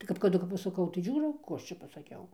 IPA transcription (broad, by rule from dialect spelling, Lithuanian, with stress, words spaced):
tɐɪ kɐp kɐˈdʊ kɐp pɐsɐˈkɐʊ tɐɪ ˈʒʲuːroː ˈkuː ˈɐʃ t͡ʃʲɛ pɐsɐˈkʲɛʊ